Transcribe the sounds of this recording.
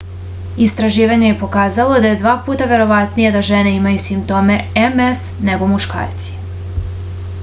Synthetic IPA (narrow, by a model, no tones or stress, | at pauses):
ist̪ɾaʒiːʋaɲe̞je̞po̞kaːzalo̞d̪aje̞d̪ʋaːpuːt̪aʋe̞ɾo̞ʋat̪nije̞d̪aʒene̞imajusimp̚t̪o̞ːme̞emesne̞ɡo̞muʃka̰ːɾt̪si̥